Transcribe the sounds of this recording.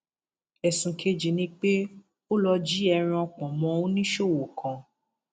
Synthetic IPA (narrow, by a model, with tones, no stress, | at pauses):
ɛ˨sũ˨kʰe˧d͡ʒi˨nĩ˧k͡pe˦ | o˦lɔ˧d͡ʒi˦ɛ˧ɾ̃ĩ˧ɔ˧k͡pɔ̃˨mɔ̃˨˧ũ˦nĩ˦ʃo˦˨wo˨kʰã˨˧